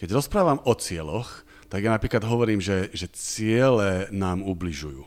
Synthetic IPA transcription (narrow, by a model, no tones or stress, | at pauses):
kɛɟɾɔspɾaːʋamɔt͡sɪɛlɔx | t̪aɡjanapɾiːklad̪ɦɔʋɔɾiːmʒɛʒɛt͡sɪɛlɛnaːmubliʒujṵː